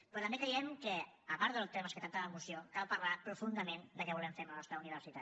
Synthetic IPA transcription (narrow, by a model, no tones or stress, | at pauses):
pɾɔt̪əambekɾɛjɛmkəːpaɾðəlˠt̪eməskət̪ak̚t̪əəmusiokalˠpəɾlapɾufund̪əmend̪əkɛβulɛɱfeɾmənɔst̪ɾauniβ̞əɾsit̪a